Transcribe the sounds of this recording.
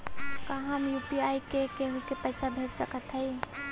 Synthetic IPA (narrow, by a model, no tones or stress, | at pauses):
kaɦəmjupiajkekeɦukepəɪsabʱed͡ʒsəkət̪ɦəɪ